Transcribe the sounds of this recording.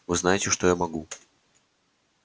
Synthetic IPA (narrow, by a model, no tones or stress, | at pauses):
vɨznajɪtʲɪʂt̪ojamɐɡu